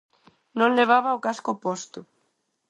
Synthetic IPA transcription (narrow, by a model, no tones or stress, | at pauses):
nõŋleβ̞aβaokaskopɔst̪ʊ